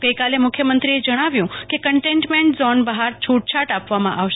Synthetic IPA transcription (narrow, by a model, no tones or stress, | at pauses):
ɡəjkalemʊkʰjəmənt̪ɾied͡ʒəɽ̃aʋjũkekəɳʈeɳʈmeɳʈzɔnbəɦaɾt͡ʃʰuʈ̚t͡ʃʰaʈapʋamã̰ʔaʋʃ